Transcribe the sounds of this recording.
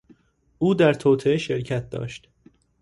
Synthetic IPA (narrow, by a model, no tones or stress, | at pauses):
ʔuːd̪æɾt̪ʰoːt̪ʰeeʃe̞ɾcʰæt̪̚d̪ɒ̰ːʃt̪